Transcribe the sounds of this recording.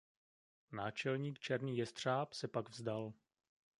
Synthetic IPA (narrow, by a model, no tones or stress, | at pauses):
naːt͡ʃɛlɲiːkt͡ʃɛɾniːjɛst̪r̝̥aːpsɛpaɡvzdal